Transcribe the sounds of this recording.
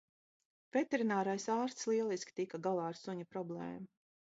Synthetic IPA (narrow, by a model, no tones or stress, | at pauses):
v̥et̪eɾinaːɾajsaːɾst̪slˠiɛlˠiskʲi̥t̪ikaɡalˠɑːaɾsuɲapɾɔblˠɛ̰ːmu